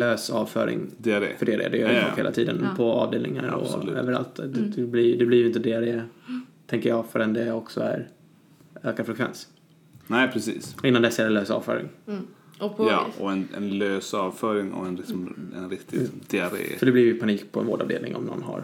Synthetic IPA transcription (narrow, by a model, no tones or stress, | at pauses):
løːsɑːvfœ̰ːɾɪ̰ŋd̪̥ɛad̰ːfœɖɛadḛːd̪ɛjœːɾɔ̰heːlat̪ʰiːd̪ənpʰɔɑ̰ːvd̪eːlnɪŋaɾɔ̰ø̰ːvəɾa̰lt̪d̪d̪ɛblɪd̪ɛblɪɾjʏɪnt̪əd̪ɛad̪eːt̪ʰɛŋkəjɑːɡfœɾɛnd̪ɛɔksɔæɾ | øːkaɾfɾɛkʰvɛ̰ns | nɛɪpʰɾɛsḭːsɪnːand̪ɛsːaɾɛnløːsɑ̰ːvfœ̰ːɾɪ̰ŋ | jɑ̰ɔɛnɛnløːsɑːvfœɾɪŋɔ̰ɛnlɪksɔmɛnɾɪkt̪ʰɪd̪̥ɛadḛːsɔɖ̪ɛblɪɾjpʰaniːk̚pʰɔɛnvo̰ːɖɑ̰vd̪eːlnɪ̰ŋʔɔ̰mnɔ̰nːɦa̰ɾ